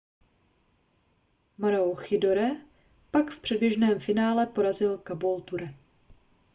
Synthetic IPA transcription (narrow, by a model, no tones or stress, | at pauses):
maɾɛoxɪdoɾɛ | pakfpr̝̥ɛd̚bjɛʒnɛːmfɪnaːlɛpo̞ɾazɪlkabolt̪uɾɛ